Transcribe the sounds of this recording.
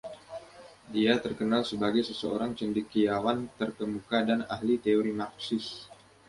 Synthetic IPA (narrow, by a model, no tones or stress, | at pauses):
diat̪ərkənalsəbaɡajsəsəo̰ɾaŋt͡ʃəndikːijawant̪ərkəmukadana̰hlit̪eoɾimak̚sɪs